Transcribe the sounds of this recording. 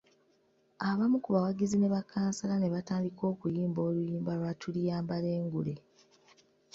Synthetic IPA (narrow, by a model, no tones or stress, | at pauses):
aβamukuβawaɡizine̞βakʰaːnsalane̞βataːndiko̞ːkujiːmbo̞ːlujiːmbalwatʰulijaːmbale̞ːŋɡule